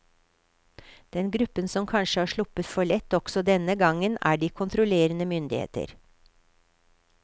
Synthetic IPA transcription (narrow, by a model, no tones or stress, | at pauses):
d̪̥ɛnɡɾʉpːənsɔmkʰɑnʃəhɑːʂɭʊpət̪fɔɭɛt̪ːɔɡ̥sɔd̪ɛnəɡɑŋənæ̰ːɖiːkʰʊnt̪ʰɾʊleːɾənəmʏnd̪ɪhḛːt̪ə̰ɾ